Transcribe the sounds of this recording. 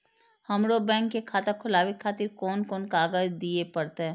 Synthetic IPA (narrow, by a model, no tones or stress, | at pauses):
hɐmɽobɛ̃ːŋkːekʰaːt̪ɐkʰːʊlaːʋikʰːaːt̪ɪɾkɔːnkɔːnkaːɡəd͡ʒd̪iepɐɽt̪eɦɛ̃ː